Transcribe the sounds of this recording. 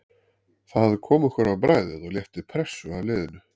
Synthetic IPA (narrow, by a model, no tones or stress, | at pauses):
θahaðɪkʰɔːmʏ̥kʰvɛɾawpɾaːjðɪðɔɣljɛft̪ɪpʰɾɛsːʏavlɪːðɪnʏ